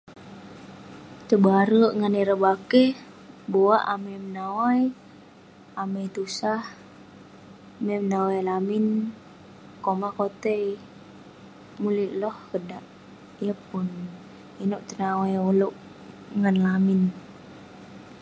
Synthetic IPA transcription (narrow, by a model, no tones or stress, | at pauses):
t̪əbaɾəŋəniɾəbake | bowaʔaməjmənawaj | aməjt̪usah | memnawajlamin | komakot̪ɛi | muliʔlɔhkədaʔ | ijəpun | inuʔt̪ənawajuluʔ | ŋənlamin